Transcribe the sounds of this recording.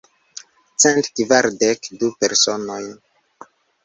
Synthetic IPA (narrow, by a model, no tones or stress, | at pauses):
t͡sentkvaɾdekdupeɾso̞noj